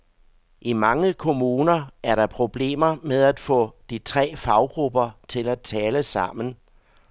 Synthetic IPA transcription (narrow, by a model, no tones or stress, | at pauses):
ʔimɑ̈ŋəkʰo̝muːnɐæɐɾɑ̈pʰʁo̝b̥le̝̰ːmɐmeð̞ˠæd̥fɔ̰̽ːd̥it͡sʰʁɛ̰ːfɑ̈ʊɡ̥ʁub̥ɐt͡sʰe̝læt͡sʰɛːləsɑ̈m̰n̩